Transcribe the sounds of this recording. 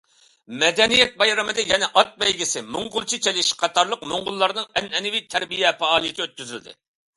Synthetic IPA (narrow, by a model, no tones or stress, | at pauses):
mɛd̪ɛnijɛt̪̚bɑjɾɛmɨd̪ɨjɛnɛʔɑt̪̚bɛjɡʲisɪmʊŋʁʊlˠt͡ʃʰit͡ʃʰelɪʃqʰɑt̪ɑɾlˠəqmoŋʁʊlˠːɑɾnɨŋɛnɛnɪvit̪ʰæɾbijɛpɑɑːlˠɨjit͡ʃʰɛøt̪̚kʲyzyld̪ɪ̰